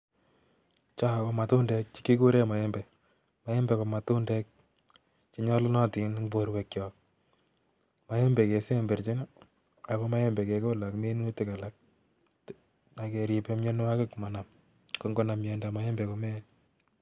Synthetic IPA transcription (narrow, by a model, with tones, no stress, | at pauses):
t͡ʃa˦˨ko˧˨ma˨tu˦ndɛ˦k̚t͡ʃi̥˦ki˦ku˦ɾe˦ma˨ɛ˦mbɛ˨ | ma˨jɛ˦mbɛ˨ko˨ma˨tu˦ndɛ˦k̚ | t͡ʃi˦ɲɔ˦lʊ˦nɔ˦ti˨n˦ŋbo˨ɾwe˨kjɔ˨k̚ | ma˦je˦mbe˨ke˨se˦mbe˨ɾt͡ʃɪ˦n˦ | a˨ko˦ma˦je˦mbɛ˨ke˨ko˦la˨kme˦nu˦tɪ˨ka˨la˨k̚ | a˨ke˨ɾi˨pe˦mɲe˦nwa˦kɪ˦kma˨na˨m | ko˨˦ŋɡo˦na˨mjɛ˨nda˨ma˨jɛ˦mbe˨ko˨˦mɛ˦